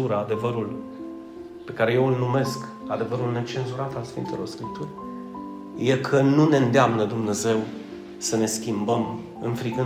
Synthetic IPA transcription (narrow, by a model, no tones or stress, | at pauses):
uɾəad̪e̞vəɾul | pe̞kaɾe̞je̞ulnume̞sk | ad̪e̞vəɾulne̞t͡ʃe̞nzuɾat̪alsfḭnt̪e̞lʔo̞̰rskɾip̚t̪urʲ | je̞kʰənune̞nd̪eamnəd̪umne̞ze̞w | səne̞skʲimbəm | ɨnfɾiɡɨ